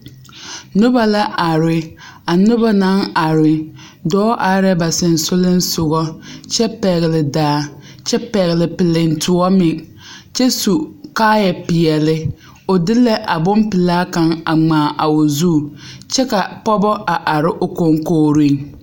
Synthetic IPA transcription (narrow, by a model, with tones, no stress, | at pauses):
nʊ˦ba˨la˦ʔa˨ɾɪ˦a˨nʊ˦ba˦na˦ŋa˨ɾɪ˨ | dɔː˦ʔa˨˦ɾɛ˦ba˨sɪ˨n˨sʊ˦lɪ˦n̩˦sʊ˨ɣɔ˦t͡ʃɛ˦pɛ˨ɣɪ˨lɪ˨daː˨˦˨ | t͡ʃɛ˦pɛ˨ɣɪ˨lɪ˨pɪ˨lɪ˨n˨tʰʊ˨ɔ˦mɪ˨ | t͡ʃɛ˦su˨kaː˦jɛ˨pɪ˨jɛ˨lɪ˦ | ʊ˨dɪ˦lɛ˦ʔa˨bʊ˦mpɪ˨laː˦ka˨ŋa˨ŋ͡maː˨ʔa˨o˨zu˦˨t͡ʃɛ˦ka˨pɔ˦bɔ˦ʔa˨ʔa˨ɾɪ˦ʔʊ˨ko˦ŋkoː˦ɾɪ˦˨ŋ